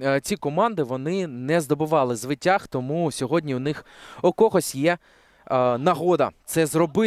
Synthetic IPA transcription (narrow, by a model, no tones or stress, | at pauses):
t͡sʲikɔmɑnd̪ɪʋɔnɪnɛzd̪ɔbɪʋɑlˠɪzʋɪtʲːaxt̪ɔmusʲɔɦɔdʲnʲiwnɪxɔkɔɦɔsʲjɛ | nɐɦɔd̪ɐ̰t̪sɛzrɔbɪ